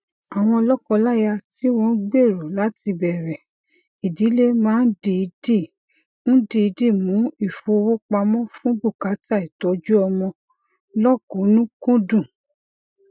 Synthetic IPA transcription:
a˨w̃ɔ̃˧ɔ˧lɔ˦kɔ˧la˦ja˧ti˦wɔ̃˦˧n̩˦ɡ͡be˦˨ɾo˨la˨˦ti˧bɛ˨ɾɛ˨ | i˨di˨˦le˦mãː˦n̩˦di˧i˧di˦˨ | n̩˦di˧i˧di˦˨mũ˨˦i˦˨fo˧wo˦k͡pa˧mɔ̃˦fũ˦bu˦˨ka˨˦ta˦˨i˨tɔ˨˦d͡ʒu˦ɔ˧mɔ̃˧ | lɔ˦kõ˨˦nũ˦kũ˦dũ˦˨

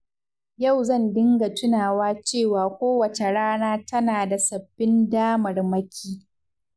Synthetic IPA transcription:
jɐ˦˨wzɐ˦˨ndɪ˦ŋɡa˨tʊ˦naː˨waː˦t͡ʃeː˦˨waː˨kʷoː˦wɐ˨t͡ʃe˨ɽaː˦naː˦tɐ˦naː˨da˨sɐ˨bːɪ˦ndaː˦mɐ˨rmɐ˦kʲʰiː˦

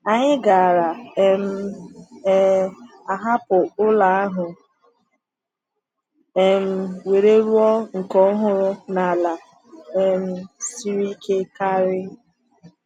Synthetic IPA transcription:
a˨ɲɪ˦ɡa˨a˨ɾa˨e˦m̩˦ | a˨ɦa˦pʊ˨ʊ˦la˨a˦ɦʊ˨ | e˨m̩˦we˨ɾe˦ɾu˦ɔ˦ŋ̩˨kɔ˦ɦʊ˦ɾʊ˦na˨la˨ | e˨m̩˦si˦ɾi˦kʰe˦ka˦ɾɪ˦

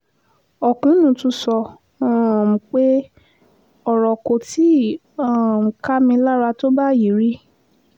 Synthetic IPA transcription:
ɔ˨kũ˨˦nũ˧˨tũ˧˦sɔ˧ | ɔ̃˦˨m̩˨k͡pe˦ | ɔ˦˨ɾɔ˨ko˨ti˨˦ | ã˦˨m̩˨ka˦mĩ˧la˦ɾa˧to˦ba˦ji˨ɾi˦

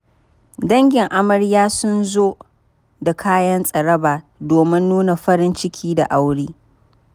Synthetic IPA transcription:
dɐ˦ŋɡʲɪ˨ŋʔa˦mɐ˨ɽjaː˦sʊ˦nzoː˦ | da˨kʰaː˦jɐ˦nsʼɐ˨ɽɐ˦baː˨doː˨mɪ˦nːuː˦na˨ɸɐ˦ɾɪ˦nt͡ʃɪ˦kʲʰiː˦da̰˨ʔa˦wɽiː˦

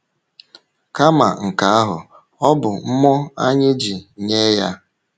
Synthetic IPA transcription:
ka˦ma̰˨ŋ̩˨ka˨˦a˦ɦʊ̰˨ | ɔ˦bʊ˨m̩˦mɔ˦a˦ɲɪ˦d͡ʒi˨ɲe˦ja˦

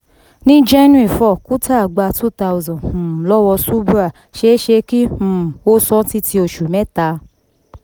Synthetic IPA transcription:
nĩ˦d͡ʒɛ˦nũ˦i˨fɔ˦˨ku˦tʰa˦˨ɡ͡ba˧tu˦ta˧u˧zɔ̃˨lɔ˦wɔ˧su˦bu˦a˦˨ | ʃe˦ʃe˧kĩ˦˨o˦sɔ˧˦ti˧˦tʰi˧o˨ʃu˨mɛ̃˦ta˧

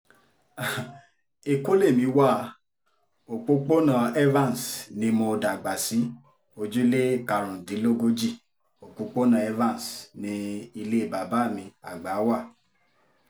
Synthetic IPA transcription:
a˨ | e˧ko˦le˦˨mĩ˧˦wa˦˨˧ | o˨k͡po˦k͡po˦nã˦˧ɛ˦vã˦˨n˨snĩ˧mɔ̃˧da˨ɡ͡ba˨sĩ˨˦ | o˧d͡ʒu˦le˦ka˧ɾɔ̃˨di˨˦lo˦ɡo˦d͡ʒi˦˨ | o˨k͡po˧k͡po˦nã˧˨ɛ˦vã˦˨n˨snĩ˧i˧le˦i˦˨ba˨ba˨˦˨mĩ˧a˨ɡ͡ba˨˦wa˦˨

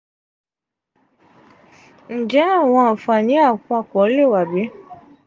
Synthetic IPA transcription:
n̩˨d͡ʒɛ˨˦a˦˨w̃ɔ̃˧a˨fa˨nĩ˨˦a˦˨kũ˧a˧˨kɔ˨˦le˦˨wa˨be˨˦

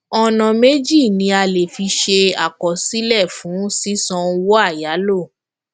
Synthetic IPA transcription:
ɔ˧nɔ̃˨me˦d͡ʒi˦˨nĩ˧˦a˧le˨fi˧ʃe˧a˨kɔ˨si˦lɛ˦˨fũ˨˦si˦sɔ̃˧wo˦a˦˨ja˨˦lo˦˨

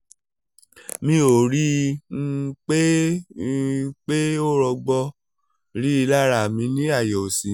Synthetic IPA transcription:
mĩ˧o˨ɾi˦ | k͡pe˦ | k͡pe˦o˦ɾɔ˧ɡ͡bɔ˧ | ɾi˦i˧la˦ɾa˦˨mĩ˧nĩ˦a˦˨jɔ˨o˨si˨˦

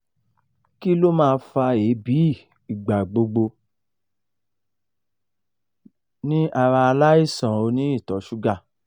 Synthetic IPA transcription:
ki˦lo˦mãː˦˧fa˧e˨˦bi˨˦˨ | i˨ɡ͡ba˨ɡ͡bo˧ɡ͡bo˧ | nĩ˦ʔa˧ɾa˧a˧la˦i˦˨sã˨o˧nĩ˦i˦˨tɔ˨˦ʃu˦ɡa˦˨

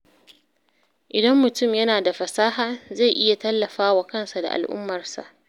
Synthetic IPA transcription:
ʔɪ˨dɐ˦mːʊ˨tʊ˦mjɐ˦naː˨da˨ɸɐ˨saː˦ɦaː˨za˦˨jʔɪ˦ja˨tɐ˦lːɐ˨ɸaː˦wa˨kɐ˦˨nsa˨da̰˨ʔa̰˨lʔʊ̰˦mːɐ˨rsa̰˨ʔ

